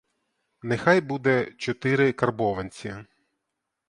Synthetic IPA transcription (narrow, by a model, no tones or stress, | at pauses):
nexɑjbud̪ɛt͡ʃɔt̪ɪɾɪkɐrbɔʋɐnʲt͡sʲi